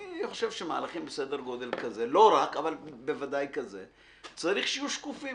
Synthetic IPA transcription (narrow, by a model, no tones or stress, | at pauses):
iniχoʃe̞vʃema̰ːlaχimbese̞d̪eɾɡo̞d̪e̞lkɐze̞lo̞ɾakavalbe̞vad̪ajkɐze̞̰ | t͡saɾiχʃijuʃkufi